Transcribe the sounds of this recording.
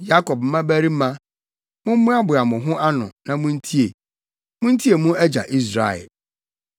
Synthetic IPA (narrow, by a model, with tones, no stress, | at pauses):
ja˦kɔ˨b̚m̩˦mã˦bæ˦ɾi˦mã˦ | mʊ̃˦m˦mũ˦a˦bʊ˨a˨mʊ̃˨ɦʊ̃˦ʔa˦nʊ̃˨nã˨mʊ̃˦n̩˦tʰi˦e˨ | mʊ̃˦n̩˦tʰi˦e˨mʊ̃˦æ˦d͡ʑa̰˨ʔi˦s̬ɾa̰˨ɛ̰˨l